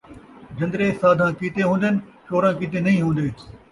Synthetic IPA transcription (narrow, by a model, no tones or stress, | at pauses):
d͡ʑɐ̃nd̪ɾeːsaːd̪ʱãːkit̪eɦũːnd̪ənɪ̆ʃoːɾãːkiːt̪enɐĩːɦũːnd̪eːt̪